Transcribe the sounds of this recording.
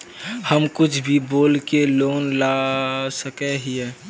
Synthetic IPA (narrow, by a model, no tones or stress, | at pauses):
həmkʊt͡ʃʰbʱiboːlkeloːnlasəkeɦiɛ